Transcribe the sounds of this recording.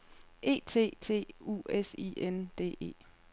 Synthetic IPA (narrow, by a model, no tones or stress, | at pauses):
ʔe̝̰ːt͡sʰe̝̰ːt͡sʰe̝̰ːṵːesḭend̥e̝̰ːe̝̰ː